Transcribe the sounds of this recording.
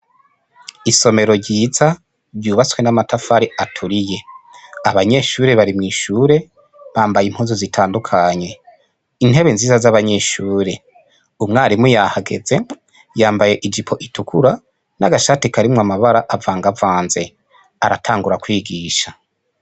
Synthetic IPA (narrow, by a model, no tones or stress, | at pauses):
iso̞me̞ɾo̞ɾɟiːza | bɟuːβat͡swe̞namatʰafaɾiʔatʰuɾije̞aβaɲe̞ːʃuːɾe̞βaɾimŋiːʃuːɾe̞ | βaːmbajim̥huːnzozitʰaːndukʰaɲe̞ | in̥e̞βenziːzazaβaɲe̞ʃuːɾe̞ | umŋaːɾimujahaɡe̞̰ze̞ | jaːmbaje̞ʔid͡ʒipʰo̞ʔitukʰuɾa | naɡaʃaːtikaɾimŋamaβaɾaʔavaːŋɡavaːnze̞ | aɾatʰaːŋɡuɾakwiːɡiːʃa